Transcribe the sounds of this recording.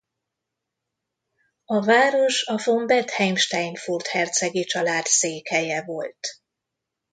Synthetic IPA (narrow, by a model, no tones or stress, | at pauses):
ɒvaːɾo̞ʃɒfo̞mbɛt̪hɛjmʃt̪ɛjnfurt̪hɛrt̪sɛɡet͡ʃɒlaːt̪seːkhɛjɛvo̞lt̪